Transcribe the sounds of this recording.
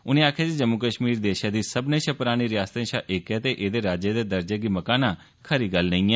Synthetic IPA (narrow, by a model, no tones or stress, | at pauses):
ʊnẽːaːkʰaːd͡ʒid͡ʒəmːʊkəʃmiːɾd̪eːʃãːd̪iːsəbnẽːʃapʊɾaːɽ̃iːɾɪjaːst̪ẽʃaːʔɪkɛːt̪eːʔeːd̪eːɾaːd͡ʒeːd̪eːd̪əɾd͡ʒeːɡiːməkaːnãː | kʰəɾiːɡəlnə̃ĩːɛː